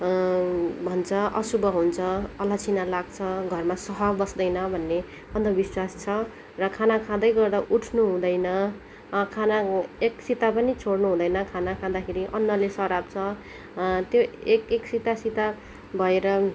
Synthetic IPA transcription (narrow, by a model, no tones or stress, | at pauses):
bʱʌnt͡sʰʌʌsubʌɦunt͡sʰʌʌlat͡sʰinalaɡt͡sʰʌɡʱʌrmasʌɦʌbʌsd̪ʌjnʌbʱʌnːe | ʌnd̪ʌbiswast͡sʰʌ | rʌkʰanakʰãd̪ʌjɡʌrd̪aʔuʈʰnuɦũd̪ʌjnʌ | kʰanaeksit̪apʌnit͡sʰoɽnuɦũd̪ʌjnʌkʰanakʰãd̪akʰeɾiʔʌnːʌlesʌɾab̚t͡sʰʌ | t̪joekeksit̪asit̪a | bʱʌeɾʌ